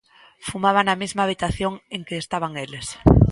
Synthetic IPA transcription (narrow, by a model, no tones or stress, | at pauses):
fumaβ̞anamizmaːβit̪aθjoŋeŋkeːst̪aβ̞aŋeles